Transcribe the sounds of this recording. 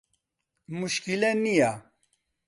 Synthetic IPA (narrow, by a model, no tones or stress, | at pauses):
muʃkilɛnija